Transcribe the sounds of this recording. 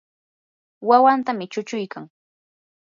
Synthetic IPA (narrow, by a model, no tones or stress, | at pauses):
wawant̪amɪt͡ʃʊt͡ʃʊjkaŋ